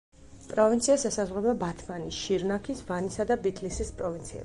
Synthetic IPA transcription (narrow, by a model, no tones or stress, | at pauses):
pʼɾɔvint̪sʰiasɛsazʁɾɛbabat̪ʰmanisʃiɾnakʰisvanisad̪abit̪ʰʼlisispʼɾɔvint̪sʰiɛ̰